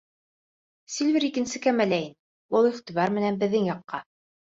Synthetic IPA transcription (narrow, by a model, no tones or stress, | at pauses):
silʲvʲiɾikɘ̆nsɘkæmælæjin | ulˠiχt̪ʲiβɑɾmɘ̆nænbɘ̆ðːɘŋjɑqːɑ